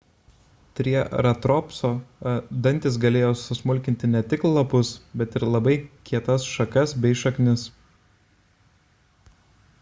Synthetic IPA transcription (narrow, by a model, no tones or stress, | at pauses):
t̪ʲɾʲiɛɾɐt̪ɾɔːpsoːd̪ɐnʲt̪ʲɪs̬ɡɐlʲeːjoːsʊsmʊlʲkʲɪnʲt̪ʲɪnʲɛt̪ʲɪklˠɐpʊsbʲɛt̪ɪɾlˠɐbɐɪkʲiɛt̪ɐsʃɐkɐsbʲɛɪʃɐknʲɪs